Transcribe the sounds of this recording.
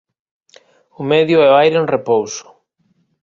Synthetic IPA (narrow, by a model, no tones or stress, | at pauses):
ʊmɛðjʊɛajɾẽnrepowsʊ̥